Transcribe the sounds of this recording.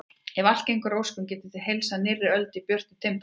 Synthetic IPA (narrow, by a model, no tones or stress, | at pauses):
ɛval̥cejŋkʏɾowskʏmcɛːt̪ɪθɪɦejlsanɪrɪɾœlt̪ipjœr̥t̪ɪt̪ʰɪmp